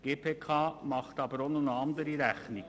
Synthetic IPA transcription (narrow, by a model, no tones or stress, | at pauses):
ɡ̥eːpʰeːkʰɑːmɑχt̪ɑbɾɔnʊnɑnd̪əɾiɾæçnɪ